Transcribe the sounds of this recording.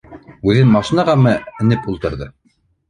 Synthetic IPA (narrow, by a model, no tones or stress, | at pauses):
ʉðɘnmɑʃinɑʁɑmɤɘ̆nɘpulˠt̪ɤ̆ɾðɤ